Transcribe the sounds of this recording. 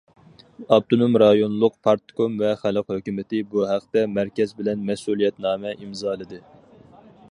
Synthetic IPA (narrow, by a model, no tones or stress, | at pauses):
ɑb̚t̪ʰonomɾɑjonlˠʊq̚pʰɑɾt̪komvɛχælɨqhøkʲymɪt̪ɪbuɦæqt̪ɛmæɾkʲɛzbɪlɛnmɛsulˠijɛt̪nɑːmɛʔimzɑːlˠɨd̪ɨ